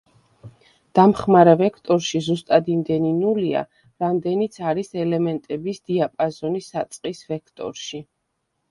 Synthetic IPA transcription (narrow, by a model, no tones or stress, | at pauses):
d̪̥amχmaɾɛvɛkʰt̪ʼɔɾʃizust̪ʼad̪imd̪ɛninulia̰ | ɾamd̪ɛnit̪sʰaɾisɛlɛmɛnt̪ʼɛbisd̪̥iapʼazɔnisat̪sʼqʼisvɛkʰt̪ʼɔ̰ɾʃi